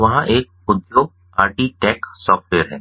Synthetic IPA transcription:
ʋɐɦãʔeːk̚ː | ʊd̪jo | aːɾʈiʈɛːksɔːfʈʋeːəɾɦɛ̃ː

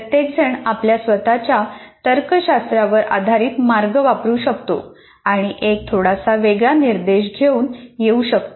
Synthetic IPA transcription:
ət̪jek̚d͡zʱəɳapljasʋət̪at͡ɕjat̪əɾkəɕast̪ɾaʋəɾʔa̰d̪ʱaɾiːt̪maɾɡəʋapɾuːɕək̚t̪o̰ | aɽ̃iʔek̚t̪ʰoɽasaʋeɡɭaniɾd̪eɕɡʱeuːnjeuɕək̚t̪o

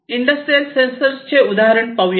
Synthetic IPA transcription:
ɪɳɖɐsʈɾijɐlsensɐɾst͡ʃeʊd̪aːɦɐɾɐɳpɐʋj

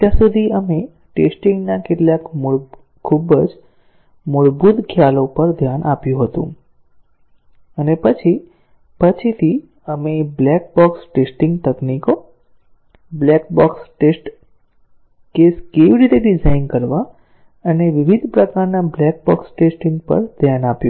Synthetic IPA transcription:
t̪jãsud̪ʱiəme | ʈesʈĩŋɡnakeʈljakm | kʰːubəd͡ʒ | mʊɭbud̪kʰjalopəɾd̪ʱjanʔapjũɦət̪ṵ̃ | ənepət͡ʃʰi | pət͡ʃʰit̪ʰi | əmeblɛk̚bɔksʈesʈĩŋɡ̚t̪əkniko | blɛkbɔksʈesʈ | keskeʋiɾit̪eɖid͡ʒainkəɾʋa | əneʋiʋid̪ʱpɾəkaɾnablɛk̚bɔ̰ksʈesʈiŋɡpə̰ɾd̪ʱjanapjũ

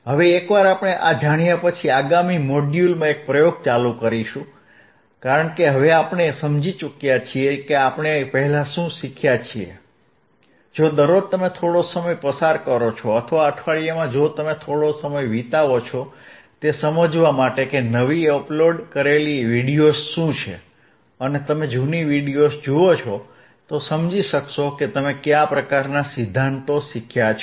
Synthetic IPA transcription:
ɦəʋeːkʋaɾapɳ̃eʔad͡ʒaɽ̃ijapət͡ʃʰiaɡamimoɖjulmãek̚pɾəjoɡ̚t͡ʃalukəɾiʃũ | kaɾəɳkeɦəʋeapɳesəmd͡ʒit͡ʃukjat͡ʃʰiekeapɳ̃epəɦɛlaʃũʃikʰjat͡ʃʰiḛ | d͡ʒod̪əɾod̪̚t̪əmet̪ʰoɽosəməjpəsaɾkəɾot͡ʃʰɔət̪ʰəʋaəʈʰʋaɭijəmãd͡ʒot̪əmet̪ʰoɽosəməjʋit̪aʋot͡ʃʰɔt̪esəməd͡ʒʋamaʈekenəʋiəploɖkəɾeliʋiɽijosʃũt͡ʃʰḛ | ənet̪əmed͡ʒuniʋiɽijosd͡ʒuot͡ʃʰo | t̪osəmd͡ʒiʃəkʃoket̪əmekjapɾəkaɾnasid̪ʱːant̪oʃikʰjat͡ʃʰ

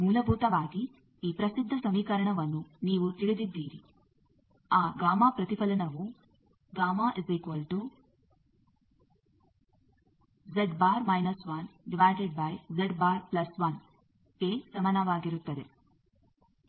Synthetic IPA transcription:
muːlɐbʱuːt̪ɐʋaːɡi | iːpɾɐsid̪ʱːɐsɐmiːkɐɾɐɳɐʋɐnːuniːʋut̪iɭid̪id̪ːiːɾi | aːɡaːmaːpɾɐt̪ipɐlɐnɐʋu | ɡaːmaːʔezikuʋɐlʈu | zeɖbaːɾmɐjnɐsʋaːnɖiʋaːɾʈeɖ̚bɐjzeɖbaːɾplɐsʋɐn | peːsɐmɐnɐʋaːɡiɾut̪ːɐd̪e̞

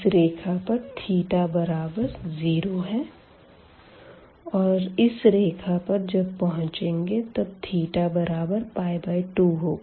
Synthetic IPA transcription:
ɾeːkʰapɐɾt̪ʰiːʈabɐɾaːbəɾziːɾoɦɛ | ɔːɾɪsɾeːkʰapɐɾd͡ʒɐbpɐɦʊ̃t͡ʃẽːŋɡet̪ɐb̚t̪ʰiːʈabɐɾaːbəɾpaːjbaːiʈuːɦoː

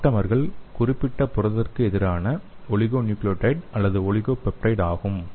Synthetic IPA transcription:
ʈːɐmɐɾɣɐɭkʊrɪpːɪʈːɐpʊɾɐððɐrkɯɛðɪɾaːnɐɔɭɪɣoːnjuːkloːʈɐɪʈɐlːɐðɯɔɭɪɣoːpɛprɐɪɽaːɣɯm

